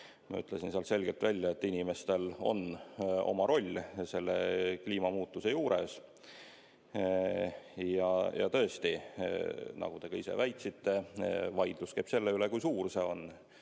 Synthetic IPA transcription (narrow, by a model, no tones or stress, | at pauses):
mɑ̰y̰t̪ːˑle̞sinseɑlt̪se̞lɡ̥e̞lt̪vælʲːjɑe̞t̪ːinʲime̞st̪e̞lo̞̰no̞̰mɑɾo̞lʲːse̞lːekliːmɑmuːt̪ːuse̞juːɾes | jɑjʔɑ̰t̪ɤ̞est̪i | nɑ̰ɡ̥ut̪e̞ɡɑisḛvæjt̪sit̪ːe̞vɑjd̪̥luskejb̥se̞lːeylekujsuːrse̞o̞n